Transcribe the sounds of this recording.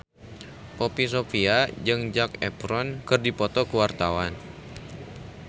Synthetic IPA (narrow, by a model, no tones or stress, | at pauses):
pɔpis̬ofiad͡ʒɨŋd͡ʒakɛ̰pɾɔnkɨrdipɔt̪ɔkuwart̪awan